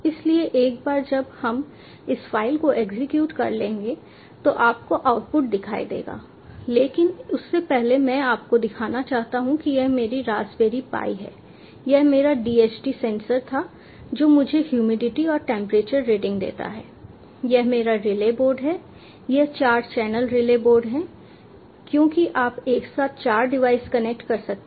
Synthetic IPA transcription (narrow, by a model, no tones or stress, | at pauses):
ɪslieʔeːk̚baːɾd͡ʒɐbhɐm | ɪsfaːɪlkoʔeːɡzɪkjuːʈkɐ̰ɾlẽːŋɡe | t̪oʔaːp̚koʔaːʊʈ̚pʊʈ̚d̪ɪkʰaːḭd̪ḛːɡa̰ː | leːkɪnʊsːepɛɦlemɛ̃aːp̚kod̪ɪkʰaːnat͡ʃaːɦt̪aɦũkijɛɦmeːɾiɾaːzbeːɾipa̰ːiɦɛ̰ː | jɛɦmeːɾaɖiːeːt͡ʃʈisɛ̃ːnsəɾt̪ʰa | d͡ʒoːmʊd͡ʒʱehjuːmɪɖɪʈiɔːɾʈɛ̃ːmpɾeːt͡ʃəɾːeːɖɪ̃ŋɡd̪ḛːt̪a̰ɦɛ̰ː | jɛɦmeːɾaɾɪleːboːɾɖɦɛː | jɛɦt͡ʃaːɾd͡ʒt͡ʃɛːnəlɾɪleːboːɾɖɦɛ̃ː | kjõːkiʔaːpeːksaːt̪ʰt͡ʃaːɾɖɪʋaːɪskɐnek̚ʈkɐɾsɐk̚t̪e